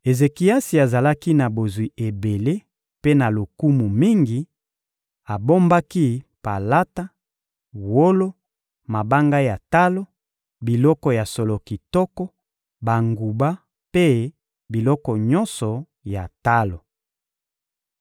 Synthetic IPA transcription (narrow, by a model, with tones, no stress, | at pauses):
e˨ze˨ki˨a˦si˨a˨za˨la˦ki˦na˨bo˨zwi˨ʔe˨be˨le˦ | pe˦na˨lo˨ku˦mu˨mi˦ŋɡi˨ | a˨bo˦mba˦ki˦pa˨la˦ta˦ | wo˦lo˦ | ma˨ba˦ŋɡa˦ja˨ta˦lo˦ | bi˨lɔ˦kɔ˨ja˨so˨lo˨ki˨tɔ˦kɔ˦ | ba˨ŋɡu˨ba˦ | pe˦ | bi˨lɔ˦kɔ˨ɲɔ˦nsɔ˨ | ja̰˨ta˦lo˨